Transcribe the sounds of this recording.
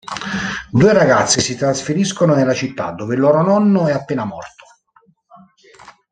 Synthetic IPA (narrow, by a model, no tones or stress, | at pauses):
d̪uːeɾaɡat̪sːisit̪ɾasfeɾiskononelːat͡ʃit̪ːa̰d̪ːoːvelːoːɾonɔnːoɛapːeːnamɔ̰rt̪o̥